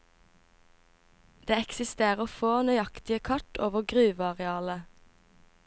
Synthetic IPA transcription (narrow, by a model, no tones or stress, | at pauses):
d̪̥eːɛksɪst̪eːʁəfoːnœʏɑkt̪ɪəkʰɑʈʰoːʋəʁɡʁʉːʋɑʁɛɑːlə